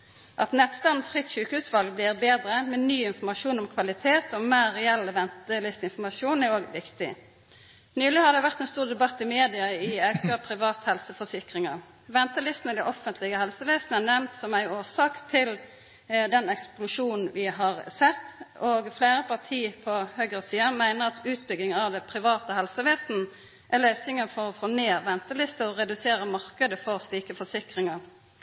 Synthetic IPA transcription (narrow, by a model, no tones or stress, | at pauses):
ʔɑt̪nɛt̪st̪ɑnfʁɪt̪ʃʉːkəhʉːsʋɑlɡ̚blɪːʁbeːd̪ʁəmɛnyːɪnfɔmɑʃuːnɔmkʰʋɑlɪt̪ʰeːt̪ɔmeːɛɛlːəʋɛnt̪əlɪst̪ɪnfɔmɑsuːnæɾoːɡʋɪkt̪ɪ̰ | nyːlɪhɑd̪ɛʋæʁt̪ɛnst̪uːʁd̪ɛbɑt̪ːɪmeːd̪ɪɑɪɑʉkəpʰɾɪʋɑːt̪hɛlsəfɔsɪkʁɪŋɑ | ʋɛnt̪əlɪst̪nəd̪ɛʔɔfənt̪lɪɡəhɛlsəʋeːsnəɛnɛmnt̪sɔmæɪoːsɑːkt̪ʰɪl | d̪ɛnɛksplʊʂuːnn̩ʋɪɦɑʁsɛt̪ːoɡfleːɾəpʰɑʁt̪ʰiːpʰɔhøːɡʁəsiːɑmæɪnəʁɑt̪ʉːt̪̚bʏɡ̪ɪŋɑʋd̪ɛpʰɾɪʋɑːt̪əhɛlsəʋeːsn̩ | ʔæløːsɪŋəfɔʁɔfoːneːʁʋɛnt̪əlɪst̪əɔʁɛd̪ʉseːɾəmɑʁkəd̪əfɔʁsliːkəfɔsɪkʁɪŋɑʁ